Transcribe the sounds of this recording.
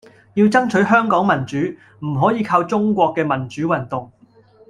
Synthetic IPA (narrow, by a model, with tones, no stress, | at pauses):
jiː˧wt͡sɐ˥ŋt͡ʃʰɵ˨˥ɥɦœː˥ŋkɔː˨˥ŋmɐ˨˩nt͡ʃyː˨˥ | m̩˨˩ɦɔː˨˥jiː˨˧kʰaː˧wt͡sʊ˥ŋkʷɔː˧kːɛː˧mɐ˨˩nt͡ʃyː˨˥wɐ˨˩nt̪ʊ˨ŋ